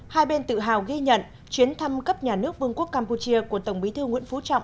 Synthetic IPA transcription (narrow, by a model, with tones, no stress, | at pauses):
haː˧jɓe˧nt̪ɨ̰˧˨ɦa̰ː˨˩wɣi˧ɲə̰˧˨n | t͡ɕwi˨˦ənt̪ʰa˧mkə˦˥p̚ɲaː˨˩nɨ˦˥ək̚vɨ˧əŋku˦˥əkːaː˧mpu˧t͡ɕi˧əku˧˩ət̪ə˧˩wŋ͡mɓi˨˦t̪ʰɨ˧ŋḭ˧˥ənfu˨˦t͡ɕɔ̰˧˨wŋ͡m